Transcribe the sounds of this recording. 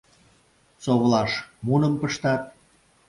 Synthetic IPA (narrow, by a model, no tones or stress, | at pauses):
soβlɑʃmunə̆mpəʃt̪ɑt̪̚